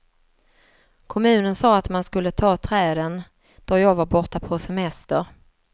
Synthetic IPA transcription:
kʰɔmʉ̟ːnənsɑːat̪manskɵlːət̪ʰɑːt̪ʰɾɛːd̪ən | d̪̥ɔɾjɑːɡvaɾbɔʈːapʰɔsɛmɛst̪əɾ

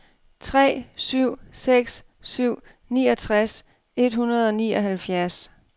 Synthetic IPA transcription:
t͡sʰʁɛ̰ːsyʊ̰seɡ̥s | syʊ̰ | niːɒ̽t͡sʰʁas | e̝d̥ɦunɐð̞̩ˠɒ̽nḭːɒ̽ɦælfjæɐs

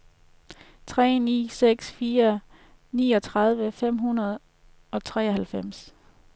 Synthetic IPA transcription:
t͡sʰʁɛ̰ːnḭːseɡ̥sfiːɐ | niːɒ̽t͡sʰʁɑ̈ð̞ˠʋəfem̰ɦunɐð̞ˠ | ɒ̽t͡sʰʁɛ̰ːɐɦælfem̰s

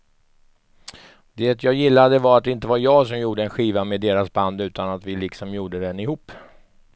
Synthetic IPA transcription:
d̪eːt̪ʰjɑːjɪlːad̪əvaɾat̪̚d̪ɛɪnt̪əvaɾjɑːɡs̬ɔmjuːɖəɛnɧiːvamed̪eːɾasband̪ʉ̟ːt̪anat̪vɪlɪksɔmjuːɖəd̪ɛnɪhuːpː

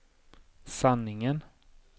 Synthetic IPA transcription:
sanːɪŋən

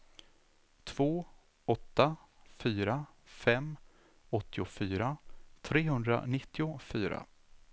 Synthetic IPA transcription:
t̪ʰv̥oː | ɔt̪ːa | fyːɾa | fɛmː | ɔt̪ʰːɪʊfyːɾat̪ʰɾeːɦɵnd̪ɾa̰nɪt̪ːɪʊfyːɾa̰

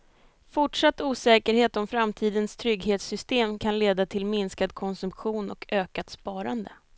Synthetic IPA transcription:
fʊʈʂat̪ːuːsɛːkəɾheːt̪ɔmfɾamt̪ʰiːd̪ənst̪ʰɾʏɡɦeːt̪sʏst̪eːmkʰanleːd̪at̪ʰɪlmɪnskad̪̚kʰɔnsɵmpɧuːnɔ̰kʰøːkat̪spɑːɾand̪ə

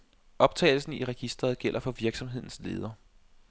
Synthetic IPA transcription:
ʔɒ̽b̥̚t͡sʰɛ̰ɪl̩sn̩iʁɛɡ̥isd̥ʁɐðˠɡ̥el̰ʔɐfɒ̽ʋiɐɡ̥sɒ̽mɦe̝ð̞̰ˠn̩sle̝̰ːð̞ˠɐː

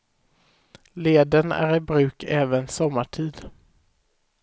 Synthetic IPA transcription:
leːd̪ənæ̰ɾɪbɾʉ̟ːkʰɛːvənsɔmːaʈʰiːd̪

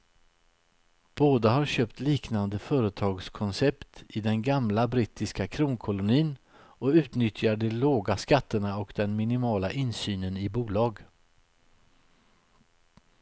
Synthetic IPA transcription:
b̥oːd̪aɦaɾɕøːpt̪liːknand̪əfœːɾət̪ʰɑːɡskʰɔnsɛpt̪ɪd̪ɛnɡamlabɾiːt̪ɪskakʰɾuːnkʰɔlʊniːn | ɔʉ̟ːt̪nʏt̪ʰjaɖɛloːɡaskat̪ːəɳaɔkd̪ɛnmɪnɪmɑːlaʔɪnsyːnənɪbuːlɑːɡ

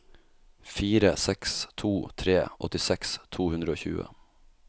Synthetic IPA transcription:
fiːɾəsɛkst̪ʰuːt̪ʰɾeːʔɔ̰t̪ɪsɛkst̪ʰuːhʉnɾəoːçʉ̰ːə̰

